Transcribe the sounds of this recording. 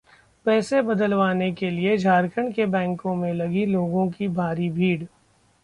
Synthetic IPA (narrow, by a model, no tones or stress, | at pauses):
pɛːsebɐd̪əlʋaːnekelied͡ʒʱaːɾkʰəɳkebɛ̃ːŋkõmẽlɐɡiloːɡõkibʱaːɾibʱiːɽ